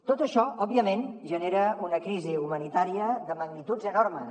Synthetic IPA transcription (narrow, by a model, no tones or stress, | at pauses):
t̪ot̪əʃɔɔbiəmenʒəneɾəunəkɾiziumənit̪aɾiəðəməɡnit̪ud͡zənoɾmə